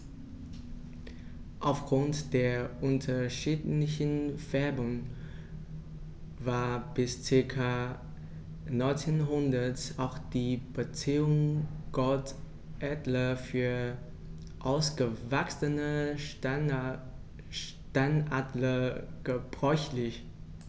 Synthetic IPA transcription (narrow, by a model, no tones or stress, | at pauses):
ʔaʊfɡ̥ʁʊntd̥eːɐʔʊntʰɐʃiːtlɪçən̩v̥ɛɐbʊŋ | vaːɐb̥ɪst͡sɪɐkʰa | nɔʏnt͡senɦʊndɐtʔaʊxd̥iːb̥ət͡siːʊŋɡ̥ɔt | ʔɛdlɐfyːɐ | ʔaʊsɡ̥əvaksənə | tanʔadlə | ɡ̥əb̥ʁɔʏçlɪç